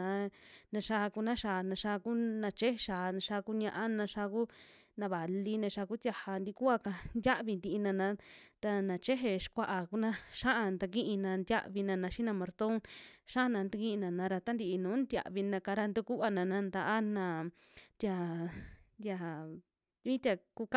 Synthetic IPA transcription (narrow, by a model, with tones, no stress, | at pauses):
ã˨˧nã˧ʃa˧ku˧nã˦ʃa˧˨˧nã˧ʃa˧ku˦nã˧t͡ʃe˦he˧ʃaː˨nã˧ʃa˧ku˦ɲã˧ʔã˦nã˧ʃa˧ku˦ | nã˧βa˨li˦nã˧ʃa˧ku˦t̪ja˧ha˧nd̪i˧ku˦a˧ka˧nd̪ja˦βi˧nd̪iː˧nã˧nã˧˦t̪a˧nã˨t͡ʃe˦ɦe˧ʂkʷa˧ʔa˨ku˧nã˦ʃa˦ʔa˧nd̪a˧kĩ˦ʔĩ˧nã˧nd̪ʲa̰˦ʔβi˧nã˧nã˧ʃi˦nã˧mõ˨ɾt̪o˦ŋʃa˦˧nã˧nd̪u˧kĩ˦ĩ˧nã˨nã˨˧ɾa˧t̪a˦nd̪i˧i˧nũː˨˦nd̪ja̰˧˨βi˧nã˧ka˧ɾa˧nd̪u˧ku˦a˧nã˨nã˧nd̪a˧˨ʔa˦nã˧˨ | t̪ja˧ | d̪ʲja˧ | βĩ˦t̪ʲa˧ku˧k